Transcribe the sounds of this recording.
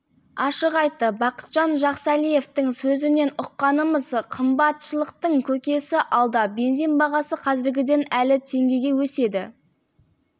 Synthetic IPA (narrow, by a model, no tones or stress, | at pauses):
ɑʃəʁɑjt̪ːəbɑqə̥t̪ʒ̥ɑnʒɑqsɑlije̞ft̪ɪŋsɵzɪne̞nʊqːɑnəməzqʰəmbɑt̪ʃəlˠəq̚t̪əɴkʲʰɵkʲe̞sɪʔɑlˠd̪ɑbe̞nd̪enbɑʁɑsəqʰɑzɪɾɡʲɪd̪e̞nælɪt̪ʰe̞ŋɡʲe̞jɡʲe̞wɵse̞d̪ɪ